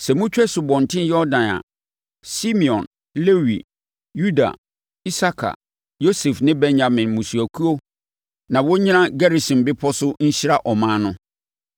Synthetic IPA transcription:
sɛ˨mʊ̃˦t͡ɕᶣɛ˦sʊ˨bɔ̃˨n˨tʰɪ̃˦njɔ˦dã˨na̰˨ | si˦mĩ˨ɔ̃˨n | le˦wi˨ | ju˦da̰˨ | i˦sa˦kʰa̰˨ | jo˦sɛ˨fnɪ̃˦bɛ̃˦nɲã˨mɪ̃˨nmũ˨su˨æ˨kʰu˦o˦ | nã˨wɔ˦ɲĩ˦nã˦ɡa˦ɾi˨sĩ˨mbɪ˦pʰɔ˦sʊ˦ɲ̩˦ɕi˦ɾa˦ʔɔ˨mãː˦nʊ̃˦

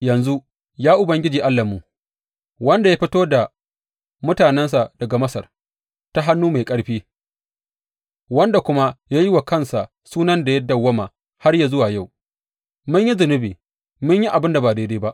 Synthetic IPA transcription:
jɐ˨nzu˦ | jaː˦ʔʊ˨bɐ˦ŋɡʲɪ˦d͡ʒiː˨ʔa˦lːa˨mːu˨ | wɐ˦nda˨ja˦ɸɪ˦toː˦da˨ | mʊ˦taː˨nɛ˦nsa˨dɐ˨ɡa˨mɐ˦sɐ̰˨r | ta˦ɦa˦nːuː˦ma˨jkʼɐ˦ɽɸiː˦ | wɐ˦nda˨kʷʊ˦ma˦jaː˦jɪ˦wa˨kɐ˦˨nsa˨ | suː˦nɐ˦nda˨jɐ˦dːɐ˨wːɐ˦maː˨ | ha˦rjaː˨zʊ˦waː˨ja˦˨w | mʊ˦ɲji˦zʊ˨nɪ˦biː˨ | mʊ˦ɲji˦ʔa˨bɪ˦nda˨baː˨deː˦deː˦ba˦ʔ

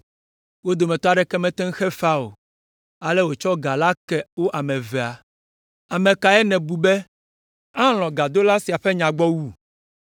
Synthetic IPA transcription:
wo˦d̪o˨mɛ̃˨t̪ɔ˦a˦ɖɛ˦kɛ˦mɛ̃˦t̪ɛ̃˦ŋ˦xɛ˦fa˦o̰˨ | a˨lɛ˦wo˨t͡ʃɔ˦ɡa˨la˦kɛ˦wo˦ʔa˨mɛ̃˨vɛ˨a˨ | a˨mɛ̃˨ka˨ɛ˦nɛ̃˨bu˨bɛ˦ | ã˦l̃ɔ̃˨ɡa˨d̪o˦la˦si˨a˨ɸɛ˦ɲã˨ɡ͡bɔ˦wu˦

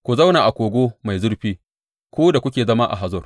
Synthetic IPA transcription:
kʷu˨za˦wnaː˨ʔa˨kʷoː˨ɡʷoː˦ma˨jzʊ˦rɸiː˦ | kʷoː˦da˨kʷʊ˦kʲeː˨zɐ˦ma˦ʔa̰˨ɦa˨zɔ˦r

